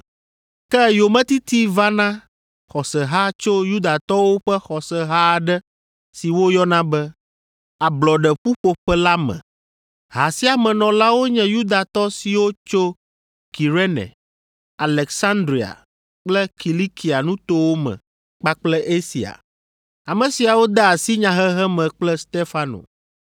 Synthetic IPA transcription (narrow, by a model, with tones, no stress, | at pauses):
kɛ˦jo˨mɛ̃˦t̪i˦t̪i˦va˦nã˦ | xɔ˨sɛ˨ɦa˦t͡ʃo˦ju˦d̪a˨t̪ɔ˦wo˦ɸɛ˦xɔ˨sɛ˨ɦa˦˨ɖɛ˦ | si˨wo˦jɔ˦nã˦bɛ˦ | a˨blɔ˨ɖɛ˨ɸu˦ɸo˦ɸɛ˦la˦mɛ̰̃˨ | ɦa˨si˦a˨mɛ̃˨nɔ̃˨la˦wo˦ɲɛ̃˦ju˦d̪a˨t̪ɔ˦si˨wo˦t͡ʃo˦ | ki˨ɾe˦nɛ̰˨ | a˨le˨ksã˦nd̪ɾi˨a̰˨ | k͡plɛ˦ki˨li˦kʰi˨a˨nũ˦t̪o˦wo˦mɛ̰̃˨ | k͡pa˦k͡plɛ˦ʔe˦sḭ˨a̰˨ | a˨mɛ̃˨si˨a˨wo˦d̪ɛ˦a˨si˦ɲã˨ɦɛ˦ɦɛ˦mɛ̃˨k͡plɛ˦st̪e˦fa˦no̰˨